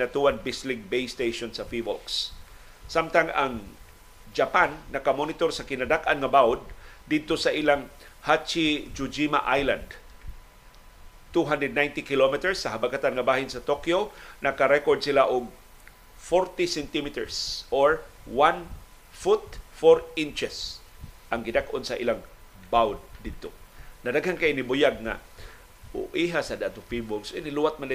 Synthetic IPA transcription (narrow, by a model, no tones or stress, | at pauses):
nat̪uwanbislɪɡ̚bejst̪ejʃonsɐfivo̰lksː | amt̪aŋaŋ | d͡ʒapanːɐkamonɪt̪oɾsɐkɪnad̪akʔanŋɐbawd̪̚d̪ɪd̪̚t̪osɐʔilaŋ | hat͡ʃid͡ʒʊd͡ʒima̰ʔajla̰nd̪ | t̪uɦand̪ɾɛd̪najnt̪ɪkɪlomɛt̪ɛɹsːɐɦabakat̪anŋɐbaːɦɪnsɐt̪okjonɐkaɾɛkoɹd̪sɪlaʔʊŋ | foɾt̪isɛnt̪imit̪ɛɹsʔoɹwan | fʊt̪foɾint͡ʃɛsʔaŋɡɪd̪akʔonsaʔilaŋ | bawd̪̚d̪ɪd̪̚t̪onɐdaɡhankaʔnibʊjaɡ̚ŋa̰ | ʊ̰ʔiɦasad̪at̪ʊfibʊŋsoʔiniluwat̪̚manla